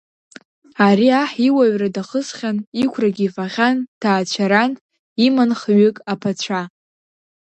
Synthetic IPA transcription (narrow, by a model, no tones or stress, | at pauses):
aɾiaħiwaɥradaχəsχʲanikʷʰraɡʲiːfaʁʲantʰaːt͡ɕʷʰaɾan | imanχɥʏkʼapʰat͡ɕʷʰa